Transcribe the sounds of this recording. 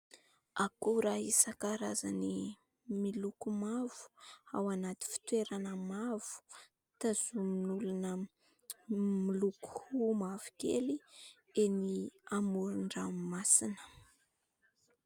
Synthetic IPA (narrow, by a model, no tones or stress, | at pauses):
akuɾaisakaɾazani | milukumav̥u̥a̰wanat̪i̥fi̥t̪weɾanəmav̥u̥ | t̪az̥uminulunə | miluku̥humavukḛli | eniamuɾuɳɖ͡ʐamasinə̥